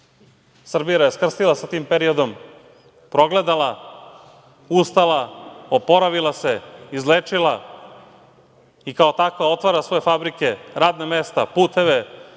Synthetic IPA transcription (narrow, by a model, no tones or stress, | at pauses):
sr̩bijaje̞skr̩st̪ilˠasat̪iːmpeɾio̞d̪o̞m | pɾo̞ɡle̞d̪ala | ust̪alaopo̞ɾaʋilˠase̞izleːt͡ʂila | ikao̞t̪akʋao̞t̪ʋaːɾasʋo̞je̞fabɾikeɾaːd̪namest̪apuːt̪e̞ʋe